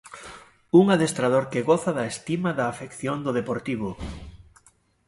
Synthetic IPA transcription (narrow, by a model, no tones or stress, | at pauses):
uŋaðest̪ɾaðoɾkɪɣɔθɐðɐest̪imaðaːfekθjond̪ʊðepoɾt̪iβ̞ʊ